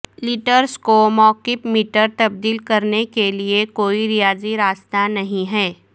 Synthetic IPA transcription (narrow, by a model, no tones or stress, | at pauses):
lɪʈəɾskomɔːqɪfmiːʈəɾt̪ɐb̚d̪iːlkɐɾnekeliekoːiɾijaːziɾaːst̪anɐɦĩɦɛː